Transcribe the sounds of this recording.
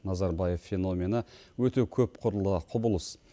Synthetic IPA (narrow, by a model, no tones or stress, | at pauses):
nɑzɑɾbɑje̞ffːe̞no̞mʲe̞nəwɵt̪e̞kʲʰɵpqʰʊɾəlˠəqʰʊbəʊlˠəs